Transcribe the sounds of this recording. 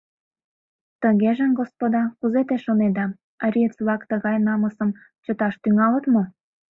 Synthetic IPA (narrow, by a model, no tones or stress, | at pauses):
t̪əɣeʒemɡospod̪ɑkuzet̪eʃoned̪ɑ | ɾʲit͡sβlɑkt̪əɣɑjnɑməsə̆m | t͡ɕət̪ɑʃt̪yŋɑlət̪mo